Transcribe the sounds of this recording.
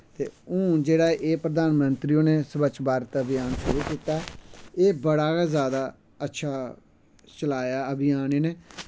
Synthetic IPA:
t̪ḛːũːd͡ʒeːɽaːʔeːpɾəd̪aːnmənt̪ɾiːõːneːsəbət͡ʃbaːɾt̪əbɪjaːnseɾuːkiːt̪aːeːbəɽaːkaːzjaːd̪aː | ətːʃʰaː | t͡ʃəlaːjaːəbɪjaːneːneː

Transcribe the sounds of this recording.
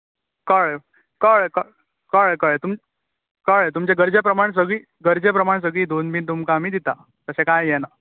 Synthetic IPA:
kəɭ | kəɭkəɭ | kəɭkəɭt̪um | kəɭt̪umt͡ɕeɡəɾd͡ʑepɾəmaɳ̃s̬əɡɭiː | ɡəɾd͡ʑepɾəmaɳ̃s̬əɡɭiːd̪onbiːnt̪umkaːmiːd̪it̪a | t̪əsẽkajjɛna

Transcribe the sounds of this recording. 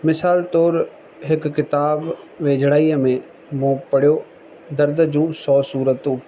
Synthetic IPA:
mɪsaːlt̪oːɾ | ɦɪkːɪt̪aːb | ʋeːd͡ʒɽaːiːəmẽː | mõːpəɽjoː | d̪əɾd̪d͡ʒũːsɔːsuːɾət̪ũː

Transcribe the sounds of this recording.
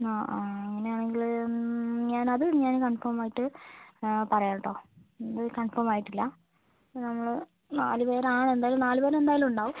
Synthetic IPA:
oːeŋːɐneaːɳe̞ŋɡil | ɲaːnɐðɨɲaːnkɐɳfoːmaːjiʈːɨ | pɐrɐjaːɳːɐʈːo̞ːnðɨkɐɳfoːmaːjiʈːilːɐ | nɐmːɐɭ | naːlupe̞ːɾaːɳe̞nd̪aːjɐlumnaːlupeːɾɐmend̪aːjɐlumuɳɖaːʋum

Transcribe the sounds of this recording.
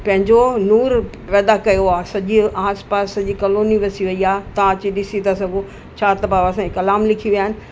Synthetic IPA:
pɐ̃ɦɪ̃ɲd͡ʑonuːɾ | pɛːd̪akɐjoaːsɐʄiaːspaːsːɐʄikɐloːniʋɐsiʋɐiaːt̪ãt͡ɕiɗɪsit̪ʰasɐɡo | t͡ɕʰaːt̪ɐbaːʋasãikɐlaːmlɪkʰiʋiaːɦɪnɪ̆

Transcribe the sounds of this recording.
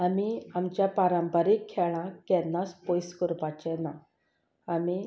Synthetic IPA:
amiamt͡ɕjapaɾãmpəɾekʰːɛɭ̃ãkɛnːaspojskəɾpat͡ɕɛna | ami

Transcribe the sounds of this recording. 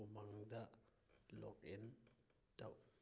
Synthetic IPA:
umaŋda | lɔ̰k̚in | ta̰w

